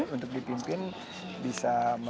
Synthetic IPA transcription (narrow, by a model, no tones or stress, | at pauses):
unt̪ʊk̚dipimpɪn | bisamə